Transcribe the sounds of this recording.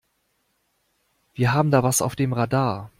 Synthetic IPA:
v̥iːɐɦaːbm̩daːvasa̰ʊfd̥eːmʁadaːɐ

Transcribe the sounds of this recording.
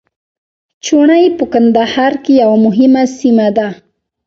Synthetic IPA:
t͡ʃʊɳajpəkand̪ahaɾkɪjawamʊɦɪmasɪmad̪a

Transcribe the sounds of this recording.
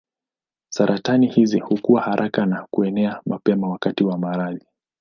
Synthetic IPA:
saɾʔatanihizihukuwahaɾʔakanakuɛnɛamʔapɛmawakatiwamaɾaði

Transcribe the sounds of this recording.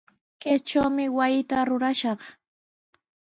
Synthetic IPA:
ket͡ʃawmɪwajɪt̪aɾʊɾaʃɑχ

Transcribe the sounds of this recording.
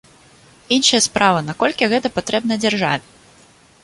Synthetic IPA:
inʂɐjɐspɾʔavɐnakɔlʲkʲiɣɛt̪ɐpat̪ɾɛbnɐd͡zʲarʐa̰vʲɪ

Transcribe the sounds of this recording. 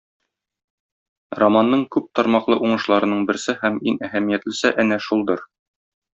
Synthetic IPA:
romanːɤɴkʉp̚t̪ɒɾmɑqlˠɤʔuɴɤ̆ʃlˠɑɾɤ̆nɤɴbɘ̆ɾsɘhæminæhæmijæt̪lɘ̆sæʔænæʃulˠd̪ɤɾ

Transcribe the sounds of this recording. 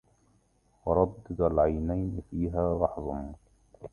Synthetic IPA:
wɑɾˤɑd̪ːɪd̪alʕajnajnfiːɦaːlɑħðˤɑn

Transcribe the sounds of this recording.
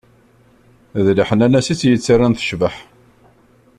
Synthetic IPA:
ðliħənænæsit͡sːjət͡sːarːanθə̥ʃvəħ

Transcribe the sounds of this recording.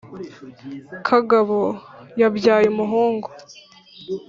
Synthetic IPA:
kʰaɡaβojabjaːjemuɦoːŋɡo

